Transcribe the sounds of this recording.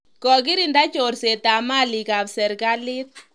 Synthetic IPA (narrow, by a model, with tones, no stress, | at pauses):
kɔ˨kɪ˦ɾi˨nda˦t͡ʃorse˨ta˨ma˦li˨ka˨psɛ˨ɾka˦lɪ˦t̪̚